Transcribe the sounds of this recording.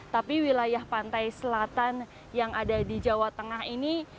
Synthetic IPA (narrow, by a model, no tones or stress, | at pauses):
t̪apiwilajahpant̪ajsəlat̪an | jaŋadadid͡ʒawat̪əŋaɦini